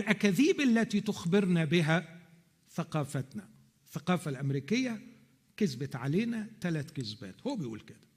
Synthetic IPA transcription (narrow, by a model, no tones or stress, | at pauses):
ɪlʔækæðiːbʔalːæt̪it̪ʊxbɪɾnabɪɦæ | θaqɑːfat̪na | θːaqɑːfalʔamɾiːkɪjːa | kɪzbat̪ʕaleːnæt̪alæt̪kɪzbæ̰ːt̪howːæbɪjʔṵːlkɪd̪̥æ̥